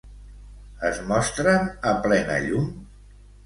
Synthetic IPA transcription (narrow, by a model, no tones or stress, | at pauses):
əzmɔst̪ɾənəplɛnə̰ʎum